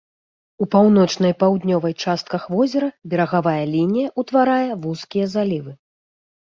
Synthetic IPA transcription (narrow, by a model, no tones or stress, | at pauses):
upawnɔt͡ʂn̪ɐjpawd̪nʲɔvɐjt͡ʂast̪̚kɐxvɔzʲɛɾɐbʲɛɾɐɣavajɐlʲinʲijɐʔut̪vaɾajɐvuskʲijɐzalʲivɨ